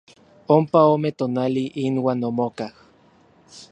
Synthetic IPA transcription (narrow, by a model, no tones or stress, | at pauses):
ompaoːmet̪oːnaliʔinwaːnomokah